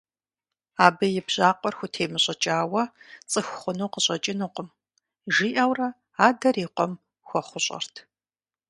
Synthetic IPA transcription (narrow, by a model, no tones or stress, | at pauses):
aːbɨjɪbʑʼaːqʷʼɔrxʷʊtʰeːmɨɕʼɐt͡ʃʼaːwɐt͡sʼɨxχʷʊnuwqəɕʼɐt͡ʃʼɪnuːqʷʊm | ʒiːʔɐwrɐ | aːdɐriːqʷɔm | xʷɔχʷʊɕʼɐ̰rtʰ